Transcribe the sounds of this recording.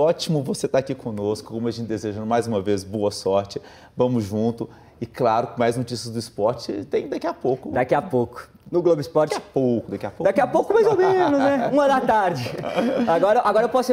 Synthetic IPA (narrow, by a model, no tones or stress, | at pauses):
ɔt͡ʃimʊvoset̪aːkikõnoskʊ̥kõmʊɐʒẽnt͡ʃd̪ezeʒɐ̃d̪ʊmajzũmɐvezboɐsɔɾt͡ʃɪ | vɐ̃mʊzʒũnt̪ʊ | ɪklaɾʊkõmajznot͡ʃisɐzd̪ʊispɔɾt͡ʃɪt̪ẽj̃d̪akiapowkʊd̪akiapowkʊ̥ | nʊɡlobɪspɔɾt͡ʃapowkʊd̪akiapod̪akiapowkʊmajzomẽnʊznɛũɐd̪ɐt̪aɾd͡ʒɪaɡɔɾɐʔaɡɔɾɐewpɔs